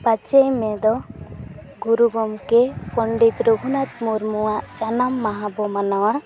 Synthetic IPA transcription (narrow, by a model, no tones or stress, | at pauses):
pat͡ʃejmɛd̪ɔ | ɡuɾuɡɔmkɛpɔɳɖit̪ɾuɡʱunat̪̚muɾmuwaʔt͡ʃanamːaɦãbɔmanawa